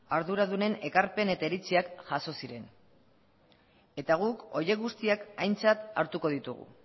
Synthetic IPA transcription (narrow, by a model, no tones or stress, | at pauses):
aɾðuɾaðune̞ne̞kaɾpe̞ne̞t̪aeɾit͡siakʝaso̞siɾe̞n | e̞t̪aɣ̞uko̞je̞ɣust̪iakajnt͡sat̪a̰ɾt̪uko̞ð̞it̪uɣ̞ṵ